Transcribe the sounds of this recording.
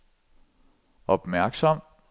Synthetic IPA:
ɒ̽b̥mæɐɡ̥sɒm̰

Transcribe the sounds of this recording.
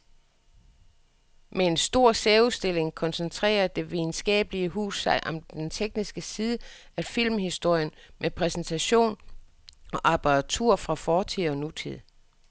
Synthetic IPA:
mee̝nsd̥o̝ɐ̰seːusd̥e̝le̝ŋkʰɒ̽nsent͡sʰʁɛ̰ːɐd̥e̝ʋiðˠn̩sɡ̥ɛ̰ːb̥əliəɦṵːsɑ̈ɪʔɒ̽md̥ent͡sʰeɡ̥̚nisɡ̥əsiːðˠəæfil̰mhisd̥o̝ɐ̰jənmʔepʰʁɛsn̩t͡sʰæɕo̝̰ːn | ɒ̽ʔɑ̈b̥ɑʁɑt͡sʰṵɐ̰fʁɑ̈fɒːt͡sʰið̰ˠɒ̽nut͡sʰið̰ˠ

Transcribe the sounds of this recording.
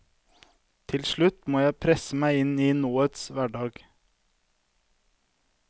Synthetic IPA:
t̪ʰɪlʃɭʉt̪moːjæɪpʰɾɛsəmæɪɪniːnuːət̪sʋæɖɑːɡ

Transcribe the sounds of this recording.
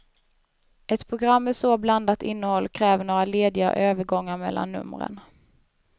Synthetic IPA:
ʔɛt̪pʰɾʊɡɾamːɛsoːbland̪at̪ɪnːəhɔlːkʰɾɛːvəɳoːɾaleːd̪ɪa̰ʔøːvəɾɡɔŋːaɾmɛ̰lːa̰nːɵ̰mɾə̰n

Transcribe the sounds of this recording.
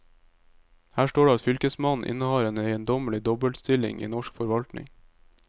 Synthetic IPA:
hæːʃʈoːɖeːɑt̪fʏlkəsmɑnn̩ʔɪ̰nəhɑːɾeːneɪənd̪ɔməlɪd̪ɔbəlst̪ɪlɪ̰ŋʔḭːnɔʃkfɔɾʋɑlt̪nɪ̰ŋ

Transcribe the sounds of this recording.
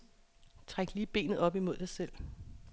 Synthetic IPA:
t͡sʰʁaɡ̥liːb̥e̝̰ːnð̩ˠɒ̽b̥imo̝ð̰ˠd̥ɑ̈ɪsel̰

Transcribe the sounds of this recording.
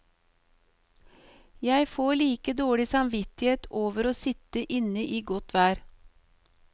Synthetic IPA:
jæɪfoːɭiːkəd̪oːɽɪsɑmʋɪt̪ɪheːt̪oːʋəɾoːsɪt̪əʔɪnəʔiːɡɔt̪ʋæːɾ

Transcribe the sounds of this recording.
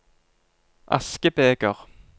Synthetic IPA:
ʔa̰skəpeːkəʁ

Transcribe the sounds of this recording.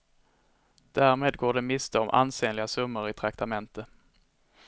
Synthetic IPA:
d̪̥æːɾmeːd̪ɡoːɖɛmɪst̪ʰɔmʔa̰nseːnlɪɡasɵmːəɾɪt̪ʰɾakt̪amɛnt̪ə

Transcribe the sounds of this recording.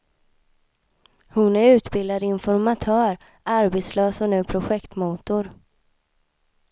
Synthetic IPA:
hʊnæɾʉ̟ːt̪bɪld̪ad̪ɪnfɔɾmat̪ʰœːɾ | ʔaɾbet̪slœːsɔnʉ̟ːpʰɾʊɧɛkt̪muːt̪ʊɾ

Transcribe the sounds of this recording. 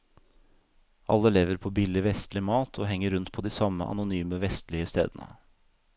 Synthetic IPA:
ʔɑ̰lːəleːʋəɾpʰoːbɪlːɪʋɛst̪lɪmɑːt̪ʰoːɦɛŋːəɾʉnt̪̚pʰoːd̪iːsɑmə̰ʔɑ̰nʊnyːməʋɛst̪lɪəst̪ḛːd̪ənə̰

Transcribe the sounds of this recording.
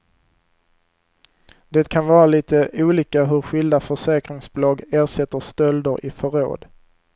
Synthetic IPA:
d̪ɛːt̪kʰanvɑːɾaliːt̪əʔuːliːkaɦɵɾɧɪld̪afœʂɛːkɾɪŋsblɑɡeːɾʂɛt̪ːəst̪œld̪əɾʔɪ̰fœɾo̰ːd̪

